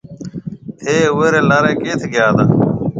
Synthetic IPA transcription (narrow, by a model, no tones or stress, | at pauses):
eːweɾeːlaːɾeːkeːt̪ʰeɡjaːd̪a